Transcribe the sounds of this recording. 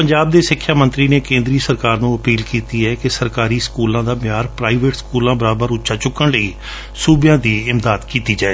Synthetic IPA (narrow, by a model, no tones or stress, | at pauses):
pəɲd͡ʒaːb̚d̪eːsɪkʰːjaːmə̃nt̪ɾiːneːkẽːnd̪ɾiːsəɾkaːɾnũːəpiːlkiːt̪iːɛːkɪsəɾkaːɾiːskuːlãːd̪aːbɪjaːɾpɾaːiːʋeːʈskuːlãːbəɾaːbəɾʊtːʃaːt͡ʃʊkːəɳləiː | suːbjãːd̪iːɪmd̪aːd̪kiːt̪iːd͡ʒaːeː